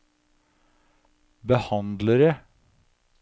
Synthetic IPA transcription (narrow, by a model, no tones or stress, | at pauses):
bəhɑnd̪ləɾə